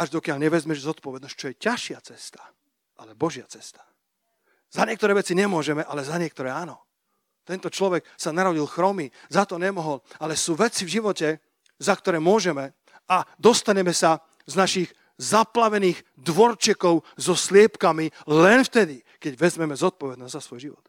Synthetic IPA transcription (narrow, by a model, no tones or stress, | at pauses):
aʒd̪ɔkɪjaʎɲɛʋɛzmɛʒzɔt̪pɔʋɛd̪nsc̚t͡ʃɔjɛcaʃɪat͡sɛst̪ḁ | ʔalɛbɔʒɪat͡sɛ̥st̪ḁ | zaɲɪɛkt̪ɔɾɛːʋɛt͡siɲɛmʊɔʒɛmɛʔalɛzaɲɪɛk̚t̪ɔɾɛːaːnɔ | t̪ɛnt̪ɔt͡ʃlɔʋɛksanaɾɔɟilxɾɔmizat̪ɔɲɛmɔɦɔlalɛsuːʋɛt͡sivʒiʋɔcɛ | zakt̪ɔɾɛːmʊɔʒɛmɛ | ad̪ɔst̪aɲɛmɛsa | znaʃiɣ | zaplaʋɛniːɣ | d̪ʋɔɾt͡ʃɛkɔʊzɔslɪɛpkamilɛnft̪ɛd̪i | kɛɟʋɛzmɛmɛzɔt̪̚pɔʋɛd̪nɔzzasʋɔjʒiʋɔ̰t̪